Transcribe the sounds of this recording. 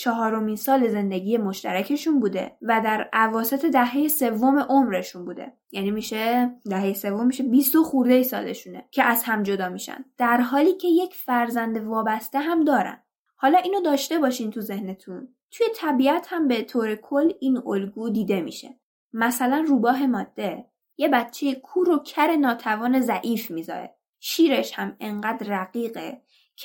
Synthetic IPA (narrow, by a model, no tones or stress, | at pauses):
t͡ʃʰɒɦɒːɾo̞minsɒːleze̞nd̪eɟije̞mo̞ʃt̪æɾæcʰe̞ʃunbuːd̪e̞̰væd̪æɾævɒːse̞t̪ʰe̞d̪æɦe̞jese̞vːo̞me̞ʔomɾe̞ʃunbuːd̪e̞̰ | jænimiːʃed̪æɦejese̞vːo̞mːiʃe̞bist̪oxuɾd̪ejsɒ̰ːlḛʃune̞cʰe̞ʔæzhæmd͡ʒo̞d̪ɒːmiʃæ̰nd̪d̪̥æɾɦɒːliːcʰe̞jecʰfæɾzænd̪e̞vɒːbæst̪e̞ɦæmd̪ɒːɾæ̰n | hɒːlɒːʔiːnod̪ɒːʃt̪e̞bɒːʃint̪ʰuze̞hne̞t̪ʰun | t̪ʰuje̞t̪ʰæbiæt̪hæmbe̞t̪ʰoːɾe̞kʰolːiːnolɡuːd̪iːd̪e̞mḭːʃḛ | mæsælænruːbɒːɦe̞mɒːd̪̥ːe̞ | je̞bætt͡ʃʰe̞jekʰuːɾocʰæɾe̞nɒːt̪ʰævɒːne̞zæʔiːfmiːzɒ̰ɾe̞̰ | ʃiːɾe̞ʃhæme̞ɴɢæːd̪ræɣiːɢe | cʰ